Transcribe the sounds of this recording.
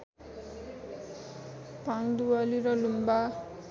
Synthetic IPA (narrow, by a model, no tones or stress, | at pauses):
paŋd̪ualiɾʌlumba